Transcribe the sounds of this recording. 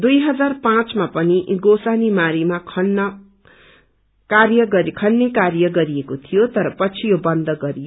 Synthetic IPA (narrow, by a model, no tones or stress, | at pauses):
d̪ujɦʌd͡zarpãt͡smapʌniɡosanimaɾimakʰʌnːʌ | karjʌɡʌɾkʰʌnːekarjʌɡʌɾiekot̪ʰijot̪ʌɾʌpʌt͡sʰijobʌnd̪ʌɡʌɾijo